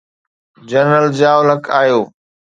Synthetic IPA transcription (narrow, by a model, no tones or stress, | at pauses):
d͡ʑəɾnəld͡ʑaːʊləkʰaːɦijoː